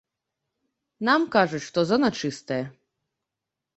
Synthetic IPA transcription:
namkaʐɛʂt̪ɔzanat͡ʃɨst̪ɛɛ

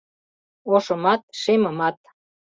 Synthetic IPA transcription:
oʃɤ̆mɑt̪̚ʃemə̆mɑt̪̚

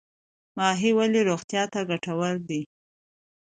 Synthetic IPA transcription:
mɑɦiwaleɾoɣt̪jɑt̪aɡaʈawəɾd̪i

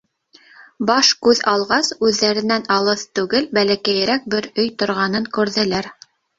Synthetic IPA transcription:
bɑʃkʉðɑlˠʁɑsʉðːæɾɘ̆nænɑlˠɤθt̪ʉɡɘlbælækæjɾæk̚bɘɾɵjt̪ŏɾʁɑnɤŋkʉɾðɘ̆læɾ

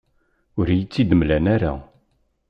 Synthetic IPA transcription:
ʊɾjit͡sːid̪əmlænaɾa̰

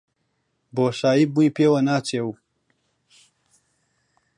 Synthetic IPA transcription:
boːʂaːibuipeːwɐnaːt͡ɕeːw

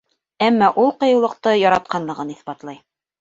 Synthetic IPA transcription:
æmːɑʔulˠqɤ̆jɤ̆wlˠɤ̆qt̪ɤjɑɾɑt̪̚qɑnlˠɤ̆ʁɤniθpɑt̪lˠɑj

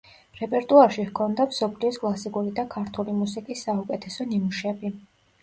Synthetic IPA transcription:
ɾɛpʼɛɾt̪ʼuaɾʃihkʰɔnd̪amsɔpʰliɔskʼlˠasikʼuɾid̪akʰaɾt̪ʰulimusikʼisːaukʼɛt̪ʰɛsɔnimuʃɛbi

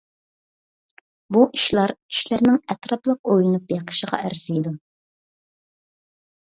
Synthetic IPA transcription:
buʔiʃlˠɑɾiʃlæɾnɪŋɛt̪ɾɑplˠəq̚ojlˠɨnup̚beqʰə̥ʃəʁɑ̰ʔæɾsijd̪u

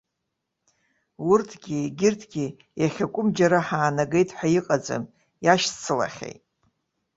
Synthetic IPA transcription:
wʊrtʰɡʲiɡʲɪrtʰɡʲi | jaχʲakʷʼʊmd͡ʒaɾaħaːnaɡe̞jtʼħʷᶣajiqʼad͡za̰m | jaʃt͡sʰɨla̰χʲḛjtʼ

